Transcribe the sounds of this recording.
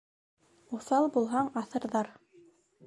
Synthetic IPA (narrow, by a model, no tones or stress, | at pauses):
ŭθɑlˠbulˠɦɑɴɑθɤ̆ɾðɑɾ